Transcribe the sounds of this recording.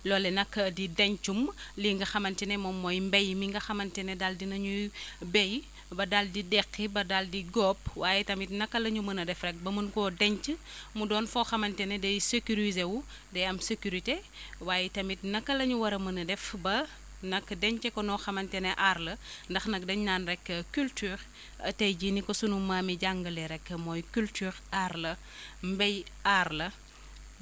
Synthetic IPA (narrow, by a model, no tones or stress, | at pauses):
lɔːlɛnɐkːɐdidɐɲt͡ʃumliŋɡɐxɐmɐntinɛmɔmːɔjmbɛjmiŋɡɐxɐmɐntɛnɛdaldinɐɲubɛj | bɐdaldidɛqːibɐdaldiɡɔːpwaːjɛtɐmitnɐkːɐlɐɲumɐnɐdɛfɾɛk̚bɐmənkɔːdɛɲt͡ʃə | mudɔːnfɔxɐmɐntɛnɛdɛjsekuɾizewu | dɛjɐmsekuɾite | waːjɛtɐmitnɐkːɐlɐɲuwɐɾɐmɐnɐdɛfbɐ | nɐkːdɛɲt͡ʃɛkɔnɔxɐmɐntɛnɛʔarlɐndɐxnɐk̚dɐɲɲaːnrɛkːəkyltyːɾ | ɐ̰tɐjɟinikɔsunumamiɟaŋɡɐlɛɾɛkːəmɔjkyltyːɾarlɐ | mbɛjarlɐ